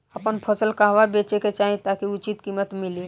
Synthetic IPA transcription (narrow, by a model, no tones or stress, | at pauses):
əpənpʰəsəlkaɦʋabeːt͡ʃeket͡ʃaɦẽt̪akiʊt͡ʃit̪kimət̪mɪli